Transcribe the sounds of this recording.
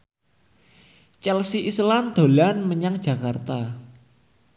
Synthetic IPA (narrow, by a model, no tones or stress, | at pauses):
t͡ʃɛlsiʔisland̪̥o̤lanməɲaŋ̥d͡ʒ̥a̤kart̪a